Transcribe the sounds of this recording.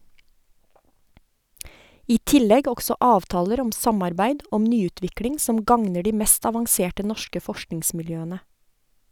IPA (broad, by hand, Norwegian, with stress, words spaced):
ˈiː ˈtɪlɛɡ ˈɔksɔ ˈɑːʋtɑːləɾ ˈɔm ˈsɑmɑɾˌbæɪd ˈɔm ˈnyːˌʉːtʋɪkɽɪŋ ˈsɔm ˈɡɑŋnə ˈɖiː ˈmɛst ɑʋɑŋˈseːʈə ˈnɔʃkə ˈfɔʃknɪŋsmɪlˌjøːənə